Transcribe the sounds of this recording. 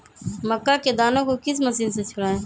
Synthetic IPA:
məkːaːkeːd̪aːnõːkoːkɪs̬məsiːnseːt͡ʃʰʊɽaːẽː

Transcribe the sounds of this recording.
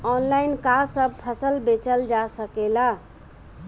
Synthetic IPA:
ɔnlainkasəb̚pʰəsəlbet͡ʃəld͡ʒasəkela

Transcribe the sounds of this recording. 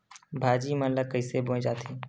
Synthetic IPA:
bʱaːd͡ʒiːmənləkəɪseːbõẽd͡ʒaːt̪ʰeː

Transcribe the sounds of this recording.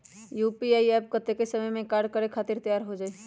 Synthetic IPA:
juːpiaːiɛːp̚ɡət̪ekesəməjmẽkaːɾɖ̚kəɾekʰaːt̪ɪɾt̪əjaːɾɦod͡ʒaːe

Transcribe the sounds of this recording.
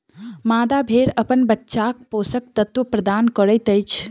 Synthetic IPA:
mad̪abʱeɾəpənbətːʃak̚posək̚t̪ət̪wopɾəd̪ankəɾət̪əjt͡ʃʰ

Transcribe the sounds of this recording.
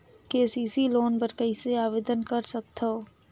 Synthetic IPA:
keːsiːsiloːnbəɾkəiseaːʋeːd̪ənkɐɾsɐk̚t̪ʰoː

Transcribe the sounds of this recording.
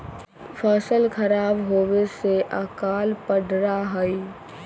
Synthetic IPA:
pʰəsəlkʰəɾaːbɦoweseʔakaːlpəɖɾaɦəi

